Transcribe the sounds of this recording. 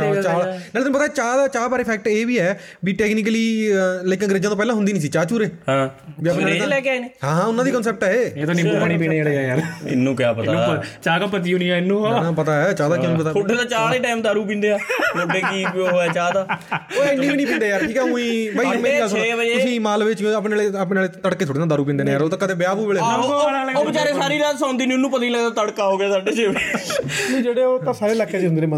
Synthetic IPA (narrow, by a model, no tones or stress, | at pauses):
aːnɛːlt̪ñːũpət̪aːt͡ʃaːd̪aːt͡ʃaːbaːɾeːpʰɛːk̚ʈeːʋiːɛːbiːʈɛːkniːk̬əliːleːkɪ̃ɡɾeːd͡ʒãːt̪õːpɛːlãːɦʊnd̪iːnĩːsiːt͡ʃaːt͡ʃuːɾeːhãːbiaalɛːkɪaineːɦãːãːʊnːãːd̪iːkɔns̬ɛːp̚ʈɦɛːeːeːt̪oːnɪmupaːɽ̃iːpiːɽẽːd͡ʒeːɽeːjaːjaːɾɪ̰nːũːkjaːpət̪anũːət͡ʃaːkaːpət̪̬iːunĩaːɪnːũːaãpət̪aːɛːt͡ʃaːd̪aːãːnũpət̪aːkoʈːẽːt̪aːt͡ʃaːleːʈaːɪmt̪aːɾuːp̬ĩːnd̪eːaːkʰʊɖeːkiːoːɛːt͡ʃaːd̪aːoːɪnːĩːbiːnĩːpĩːnd̪eːjaːɾʈʰiːkɛɦũːĩːbəimẽːiɡəlːseːbəd͡ʒeʊsĩːmaːlʋɪt͡ʃːəp̬neːlep̬neleːt̪əɽkːeːoːɽeːnaːd̪aːɾũːpĩːnd̪eːnẽːjaːɾoːt̪ãːkət̪eːbɪjaːbuːʋeːɭːaoːbɪt͡ʃaːɾeːsaːɾiːɾaːt̪sãːʊnd̪iːnːɪnːũːpət̪aːiləɡd̪aːt̪əɽkaːɦoːɡjaːsaːɖeːt͡ʃeːʋ | nũːd͡ʒeːɽeːoːt̪ãːsaːɾeːləkʰːed͡ʒeɪnd̪ɾeːmə